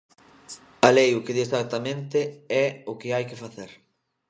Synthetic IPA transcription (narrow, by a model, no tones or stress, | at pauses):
alejʊkeðist̪at̪amẽnt̪eɛʊkɪajkɪfaθeɾ